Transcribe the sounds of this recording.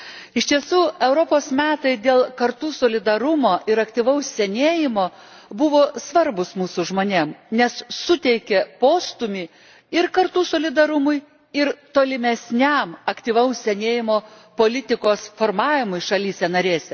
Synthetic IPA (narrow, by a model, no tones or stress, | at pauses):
ɪʃʲt̪ʲiɛsuːɛʊɾopoːsmʲæːt̪ɐɪd̪ʲeːlˠkɐɾt̪uːsoːlʲɪd̪ɐɾʊmoːʔɪɾɐkt̪ʲiʋɐʊssʲɛnʲeːjɪmoː | bʊʋoːsʋɐɾbʊsmuːsʊʒmoːnʲeːmnʲɛssʊt̪ʲɛɪkʲɛpoːst̪ʊmʲiː | ɪɾkɐɾt̪uːsoːlʲɪd̪ɐɾʊmʊɪ | ɪɾt̪oːlʲɪmʲɛsʲnʲæmɐkt̪ʲiʋɐʊssʲɛnʲeːjɪmoː | poːlʲɪt̪ʲɪkoːsfoːɾmɑːʋʲɪmʊɪʃɐlʲiːsʲɛnɐɾʲeːsʲɛ